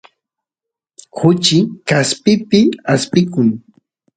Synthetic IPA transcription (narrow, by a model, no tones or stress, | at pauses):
hʊt͡ʃɪkaspɪpɪaspɪkʊŋ